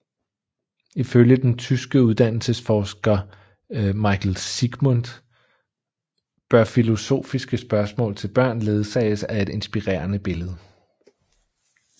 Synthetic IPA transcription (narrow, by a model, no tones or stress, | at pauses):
iføljəd̥ent͡sʰysɡ̥əuðˠd̥æn̰l̩səsfɒːsɡ̥ɐ | mɑ̈ɪkʰlsiɡ̥mond̥ | b̥ɶɐfilo̝so̝̰ːfisɡ̥əsb̥ɶɐsmɔ̰̽ːlt͡sʰe̝lb̥ɶɐ̰nle̝ːð̞ˠəsɑɪəsæe̝d̥e̝nsb̥iʁɛ̰ːɐnəb̥e̝ləð̩ˠ